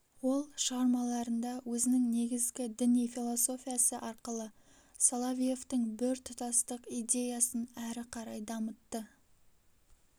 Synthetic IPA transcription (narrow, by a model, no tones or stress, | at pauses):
wo̞lˠʃəʁɑɾmɑlˠɑɾənd̪ɑwɵzɪnɪŋne̞ɡʲɪzɡʲɪd̪ɪnijfʲilˠo̞so̞fʲijasəʔɑɾqəlˠə | solˠavʲije̞ft̪əŋbɪɾt̪ʰʊt̪ɑst̪əqid̪ʲe̞jɑsənæɾɪqʰɑɾɑjd̪ɑmət̪ːə